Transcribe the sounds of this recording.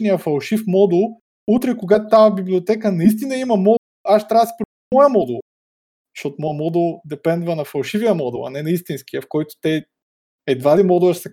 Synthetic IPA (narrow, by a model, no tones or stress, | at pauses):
nijəfɐlˠʃifmɔd̪ulˠ | ut̪ɾɛkoɡat̪ʊt̪abibliot̪ɛkənɐis̬t̪inɐimɐmɔ | aʃt̪ɾʲavəsi̥pɾ | ɔjəmɔd̪ulˠ | ʃɔt̪ʊmɔmɔd̪ulˠd̪ɛpɛnd̪vɐnɐfɐlˠʃiviəmɔd̪ṵlˠɐ̰nɛnɐist̪insk̟ijəfkɔjt̪ʊ̥t̪ɛ | ɛd̪vad̪imɔd̪uəʃsɐ